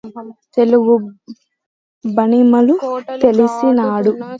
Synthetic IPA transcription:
t̪e̞luɡu | bɐnimɐlut̪e̞lisinaːɽu

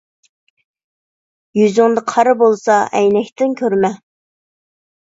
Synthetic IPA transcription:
jyzɪŋd̪ɨqʰɑɾɨbolˠsɑʔɛjnɛkʲt̪ɪnkʲʰøɾmɛ

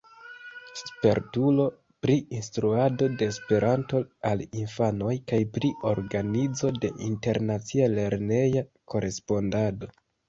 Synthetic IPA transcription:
spe̞ɾtulo̞ | pɾiinstɾuado̞de̞ːspe̞ɾʔanto̞alinfano̞jkajpɾiʔo̞ɾɡanizo̞de̞̰ʔḭnte̞ɾnat͡siale̞ɾne̞jako̞ɾe̞spo̞ndado̞

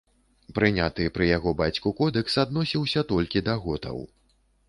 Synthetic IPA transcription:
pɾɨnʲat̪ɨpɾɨjaɣɔbat͡sʲkukɔd̪ɛksad̪nɔsʲiwsʲɐt̪ɔlʲkʲid̪ɐɣɔt̪ɐ̰w

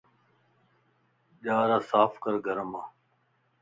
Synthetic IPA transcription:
ʄaːɾaːsaːfʰkəɾɡəɾəmaː

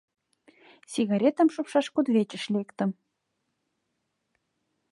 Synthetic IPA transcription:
sʲiɣɑɾʲet̪ə̆mʃupʃɑʃkud̪βet͡ɕə̆ʃlʲekt̪ə̆m

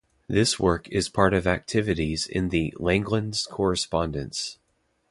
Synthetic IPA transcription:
ðɪswɜ˞kʰɪz̥pʰɑɹɾʌvæk̚tʰɪvɨɾizɪ̰̃nðɨlɛ̃ŋɡlə̃nz̥kʰɔɹɨspɑ̃ndɨ̃nts

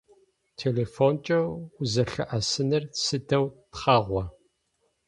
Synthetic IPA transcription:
tʰeːleːfont͡ʃʼɐʊzɐɬɨ̰ʔɐsɨnɨrsɨdɐwtχɐʁʷɔ

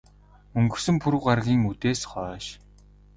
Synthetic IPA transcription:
ɵŋɡɵ̆sɵ̆mpʰuɾŭwɢarʁʲiːŋut̪eːsχɔːʃ

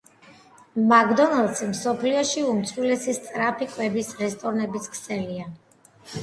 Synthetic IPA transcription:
maɡd̪ɔnalˠd̪sɛmsɔpʰliɔʃiumt̪sʰwilɛsist̪ʼɾapʰikʼwɛbisɾɛst̪ʼɔɾnɛbit̪skʰsɛlia

